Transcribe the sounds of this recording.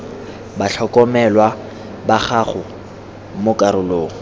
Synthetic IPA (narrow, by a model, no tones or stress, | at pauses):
baɬʰɔkʼɔmɛlwa | baχaχʊ | mʊkʼaɾʊloːŋ̩